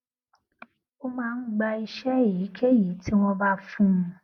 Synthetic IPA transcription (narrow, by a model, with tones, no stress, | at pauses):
o˦mãː˦˧n̩˦ɡ͡ba˧i˧ʃɛ˦ji˨˦kʰe˦ji˨˦ti˦w̃ɔ̃˦ba˦fũ˦m̩̃˧